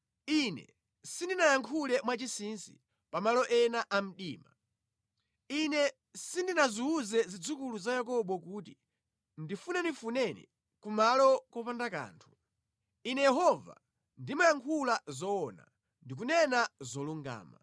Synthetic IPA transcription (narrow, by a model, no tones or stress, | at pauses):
inɛ̰ | sindinajaŋkʰulɛmwat͡ʃisinsḭ | pamalɔʔɛnaʔam̩ɗiːma̰ | inɛ | sindinaziːzɛzid͡zukuluzajak̬ɔɓɔkuːti | ndifunɛnifunɛnḭ | kumalɔkɔpandaka̰ːntʰu̥ | inɛjɛɦɔva̰ | ndimajaŋkʰulazɔːna̰ | ndik̬unɛnazɔluŋɡa̰ːma̰